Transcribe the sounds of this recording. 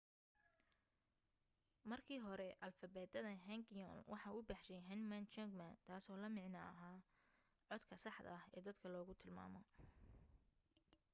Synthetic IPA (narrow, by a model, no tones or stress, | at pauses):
mɐrkʰiːɦɔɾɛʔɐlfɐbɛːd̪ɐðɐɦɛŋɡjɔ̰nwʔɑħɑːʔʊbɑːħʃɛjɦɐnmant͡ʃɔŋɡmant̪ʰaːsɔːlɐmɪʕnɐɐɦaː | ʕɔd̪kʰɐsɑħd̪ɐ̰ɐhɛ̰ːd̪ɐd̪kʰɐlɔːɣʊt̪ʰɪlma̰ːmɔ